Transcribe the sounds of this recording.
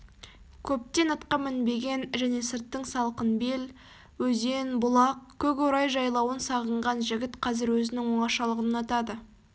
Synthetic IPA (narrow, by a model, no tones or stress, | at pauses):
kʲʰɵp̚t̪e̞nɑt̪qɑmɪnbe̞ɡʲe̞nʒæne̞sɪɾt̪ːəɴsɑlˠqənbe̞l | wɵze̞nbʊlˠɑq̚kʲʰɵk̬oɾɑjʒɑjlˠɑwənsɑʁəɴʁɑnʒɪɡʲɪt̪qʰɑzɪɾwɵzɪnɪŋwoɴɑʃɑlˠəʁənɑt̪ɑd̪ə